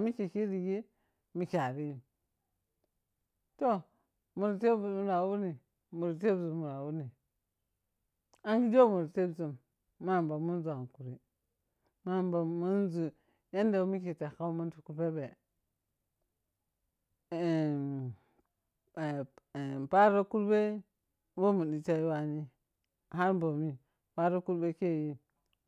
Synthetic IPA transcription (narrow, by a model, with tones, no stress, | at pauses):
mi˦ki˨ki˦ɾi˨ji˦ | mi˨kʲa˨ɾi˦j | to˦ | mu˨ɾte˦bmu˨ɾa˨wu˦ni˨ | mu˨ɾt̬e˦bzu˨mu˨ɾa˨wu˦ni˨ | a˦ŋɡi˦d͡ʒo˦mu˨ɾte˦bzu˨mː | a˦˨mba˨mu˦n˦zu˨a˨ŋ˨ku˨ɾi˨ | ma˦˨mba˨mu˦nzu˨ | ja˦nde˨˦mi˦ki˨ta˨ka˦mu˦ntu̥˨ku˦pe˦be˨ | pa˦ɾo˦ku˦lbe˦ | bo˦mu˨i˨t͡ʃa˦i˦wa˦ni˦ | ɦa˦ɾbo˨mi˦ | pa˦ɾo˦ku˦ɾbe˦ke˦˨ji˦